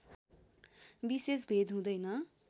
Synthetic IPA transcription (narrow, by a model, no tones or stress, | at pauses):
bisesbʱed̪ɦũd̪ʌjnʌ